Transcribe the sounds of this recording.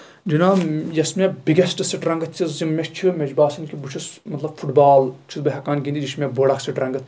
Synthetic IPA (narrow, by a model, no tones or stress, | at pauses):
d͡ʒinaːjɐsmʲebiɡʲɐsʈɨsɐʈɾɐ̃ŋɡɐt̪ʲt͡ʃʲʰizimːʲɐkt͡ʃʰimʲed͡ʒbaːsɐnkʲibut͡ʃʰɐsmɐt̪lɐbfuʈbaːlt͡ʃʰizbɐɦɐkaːnɡʲind̪id͡ʒiʃmʲeboːɽɐksɐɖɾɐŋɡɐt̪